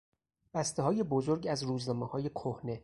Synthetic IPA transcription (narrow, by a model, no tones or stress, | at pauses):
b̥æst̪eɦɒːje̞bozoɾɡæzɾuːznɒːmehɒːje̞kʰohne̞